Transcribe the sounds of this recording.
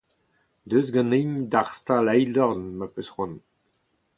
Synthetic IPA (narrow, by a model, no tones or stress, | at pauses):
d̪øːzɡɑ̃nejɲd̪aʁst̪alɛjdɔʁnmapøsχɔ̃n